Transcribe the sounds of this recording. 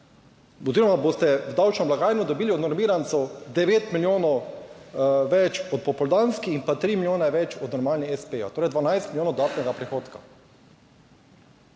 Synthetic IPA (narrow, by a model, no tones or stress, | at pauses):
ɔziɾɔmaboːst̪ɛwd̪awt͡ʃnɔmlaɡaːjnud̪ɔbiːliɔd̪nɔɾmiːɾant̪sɔd̪ɛʋeːt̪miljoːnɔw | ʋɛt͡ʃɔt̪̚pɔpɔld̪anskiinpat̪ɾiːmiljoːnaʋɛt͡ʃɔd̪nɔɾmaːlniɛspeat̪oːɾɛjd̪ʋanajst̪miljoːnɔd̪aːt̪nɛɡapɾɛxoːt̪ka